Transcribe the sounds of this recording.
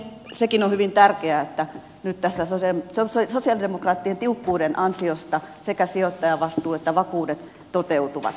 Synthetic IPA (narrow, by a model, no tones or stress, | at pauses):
sekinohyʋint̪ærkeæet̪ːæ | nyt̪t̪æsːæsossossosiɑlidemokrɑːt̪ːient̪iukːuːdenʔɑnsiost̪ɑsekæsiot̪ːɑjɑʋɑst̪uːet̪ːæʋɑkuːdet̪ | t̪ot̪eut̪uʋɑ̰t̪